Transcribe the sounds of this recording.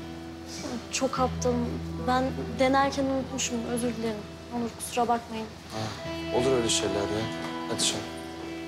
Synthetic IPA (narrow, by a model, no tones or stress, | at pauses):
t͡ʃʰo̞kʰap̚t̪ʰɯmbænd̪e̞næɾcʰænunut̪muʃumø̞zyɾlʲeɾim | onˠuɾkʰu̥suɾabakmajɯm | hɛolˠuɾøjlʲɛʃejlʲæɾd̪ɛnat̪ʰɯ̥ʃɯn